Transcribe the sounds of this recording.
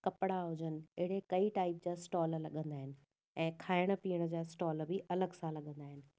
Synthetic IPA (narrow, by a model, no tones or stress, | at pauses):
kɐpɽaɦʊd͡ʑənɪ̆ɪɦɪɽekɐiʈaːɪpd͡ʑaːsʈɔːllɐɠə̃nd̪aːɦɪnɪ̆ | ɛ̃ːkʰaːɪɽ̃̆piːəɽ̃əd͡ʑaːsʈɔːlbʱɪʔɐləɡsãlɐɠə̃nd̪aːɦɪnɪ̆